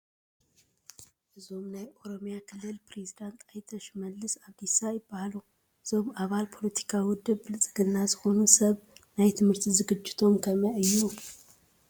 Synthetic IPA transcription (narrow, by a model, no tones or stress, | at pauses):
ʔɨzo̞mnajʔo̞ɾo̞mjakʰɨlːɨlpɾe̞zid̪ant̪ʰajt̪ʰɐʃmɐlːɨsaβd̪isajɪbːahalu | ɨz̥o̞maβalpʰo̞lɐt̪ʰi̥kʰawʊd̪ɨβbɨlɨt͡sʼɨɡɨnːazɨxo̞nusɐβnajt̪ʰɨmhɨɾt̪ʰizɨɡɨd͡ʒːɪt̪ʰo̞mkʰɐmɐʔɨjːu